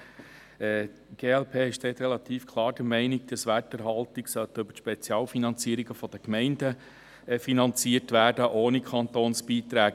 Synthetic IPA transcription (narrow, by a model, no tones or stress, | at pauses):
ɛː | ɡ̥eːɛlpʰeːɛʃʃtɛːt̪ɾɛlɑt̪iːfkʰlˠɑːɾd̥əɾmɛɪniɡ̚d̥̪ɑsʋætəɾɦɑlt̪ɪksœt̪əɵbə̥ʃpɛt͡sjɑːlfinɑnt͡siːəɾiɡəfɔd̥̪əkmɛɪndə | finɑnt͡siːəɾtʋæːɾd̥əʔoːnikʰɑnt̪oːnsb̥iːt̪ɾæː